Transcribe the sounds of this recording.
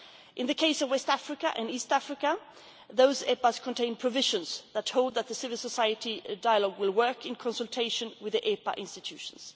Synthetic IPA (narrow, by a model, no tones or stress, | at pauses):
ʔɨ̃nðɨkʰeɪsʌvwɛstæfɹɪkəʔɨ̃nistæfɹɪkə | ðoʊzɛpəz̥kʰə̃ntʰẽɪ̃npʰɹ̥ɨvɪʒɨ̃nz̥ðəthoʊlˠd̪̚ðət̪̚ðɨsɪvɨl̩ˠsəsaɪɨɾidaɪəlɔɡwɪlˠwɜ˞kɨ̃nkʰɑ̃nsəlˠtʰeɪʃɨ̃nwɨðiʔɛpə̰ʔɪ̃nstɨtʰʉʃn̩z̥